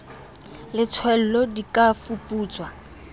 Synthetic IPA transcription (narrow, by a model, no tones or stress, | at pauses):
lɪt͡sʰwɛl̩lɔdikʼafupʼuːt͡sʼwa